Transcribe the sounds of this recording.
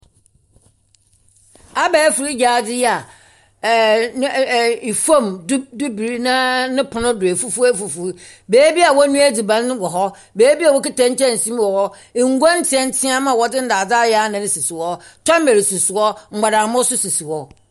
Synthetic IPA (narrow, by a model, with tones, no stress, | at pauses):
a˦bɛː˨˦fu˨ɾi˦d͡ʑaː˨˦˨dɪ˦ja˨˦˨ | i˨fã˦˨m˦du˦bi˨ɾi˦nã˦nɪ̃˦pʰʊ˨nʊ̃˦dʊ˨e˨fu˦fu˦æ˦˨fu˨fu˨˦ | beː˨˦bi˦a˨wɔ˦nũ˦æ˦di˨bã˦n˦wɔ˨ɦɔ˦ | beː˨˦bi˦a˦˨wɔ˦ki˦tã˦n̩˦tʰɛ̃˦n̩˨sĩ˦m˦wɔ˨hɔ˦ | e˨ŋ̩˦ɡɔ˦n̩˦tʰɪ˨ɛ̃˦n̩˦tʰɪ̃˦a˦mã˨wɔ˨dɪ˦n̩˦daː˨d͡zaː˦jɛ˨˦a˦nã˨nɪ̃˦si˨si˨wɔ˦tʰɔ̃˦m˦me˨ɾi˨su˨sʊ˨wɔ˦ŋ͡m̩˨ɡ͡ba˨da˨mʊ˦sʊ˦si˨si˨wɔ˦